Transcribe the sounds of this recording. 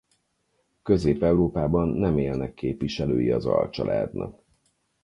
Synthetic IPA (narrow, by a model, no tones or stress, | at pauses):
kø̞zeːpɛuɾoːpaːbɒnːɛmeːlnɛkːeːpʋiʃɛløːjiɒzɒ̰lt͡ʃɒlʔɛd̪nɒ̰k